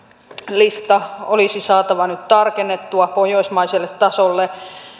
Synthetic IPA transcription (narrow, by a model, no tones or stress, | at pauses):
list̪ɑolisisɑːt̪ɑʋɑnyt̪t̪ɑrkenːet̪ːuɑpojoismɑiselːet̪tɑsolːe